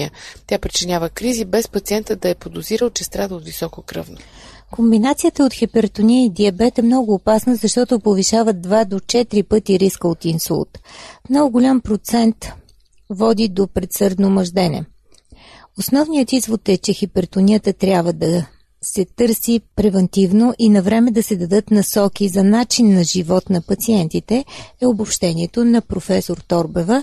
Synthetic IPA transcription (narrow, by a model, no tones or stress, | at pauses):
ət̪ʲjapɾit͡ʃinʲavəkɾizibɛspɐt̪siɛnt̪əd̪ɐɛpod̪oziɾəlˠt͡ʃɛst̪ɾad̪əot̪visɔkokɾɤvno | kombinat̪sijət̪əot̪xipɛɾt̪onʲiid̪iɐbɛt̪ɛmnɔɡʊːpasnəzɐʃt̪ɔt̪ʊpoviʃavəd̪̚d̪vad̪ot͡ʃɛt̪ɾipɤt̪iɾiskəot̪insṵlˠt̪mnɔɡʊɡʊlʲampɾot̪sɛnt̪ | vɔd̪id̪opɾɛt̪sɤɾd̪nomɐʒd̪ɛnɛ̰ | osnɔvnijət̪izvot̪ɛt͡ʃɛxipɛɾt̪ʊniət̪ət̪ɾʲjabvəd̪ɐ | sɛt̪ɤɾsipɾɛvɛnt̪ivnoʔinɐvɾɛmɛd̪ɐsɛd̪ɐd̪ɤt̪nɐsɔkizɐnat͡ʃinːɐʒivɔt̪nɐpɐt̪siɛnt̪it̪ɛɛobopʃt̪ɛnʲiɛt̪onɐpɾofɛsoɾt̪ɔɾbɛvə